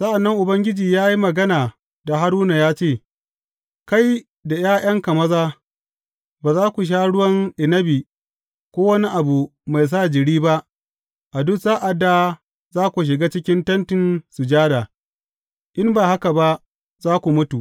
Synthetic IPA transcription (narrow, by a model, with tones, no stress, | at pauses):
sɐ˦ʔa˨nːɐ˦ŋʔʊ˨bɐ˦ŋɡʲɪ˦d͡ʒiː˨jaː˦ji˦mɐ˨ɡɐ˦naː˨ | da˨ɦa˦ɾuː˦na˨jaː˦t͡ʃeː˦˨ | ka˦j | da˨j̰aː˦j̰ʔɐ˦ŋkɐ˨mɐ˦zaː˦ | baː˨zaː˦kʷu˨ʃ̬aː˦ɽʊ˦wɐ˦nʔɪ˨nɐ˦biː˨ | kʷoː˦wɐ˦ni˦ʔa˨bu˨ma˨js̬aː˦˨d͡ʒɪ˨ɽiː˦ba˦ʔ | ʔa˨dʊ˦saː˦ʔa˨dːa˨ | zaː˦kʷu˨ʃ̬ɪ˨ɡaː˦t͡ʃɪ˦kʲɪ˦ntɐ˦ntɪ˨nsu˨d͡ʒaː˦da˨ | ʔɪ˦mbaː˨ha˦ka˨ba˦ | zaː˦kʷu˨mʊ˦tu˨ʔ